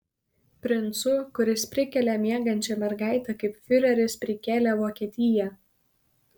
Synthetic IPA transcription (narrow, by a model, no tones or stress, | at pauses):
pʲɾʲɪnˑt̪sʊkʊɾʲɪspʲɾʲɪkʲɛlʲɛmʲiɛɡɐnʲt͡ʃʲɛmʲɛɾɡɑˑɪt̪ʲɛkɐɪpfʲɪɾʲɛɾʲɪspʲɾʲɪkʲeːlʲɛʋoːkʲiɛt̪ʲɪjɛ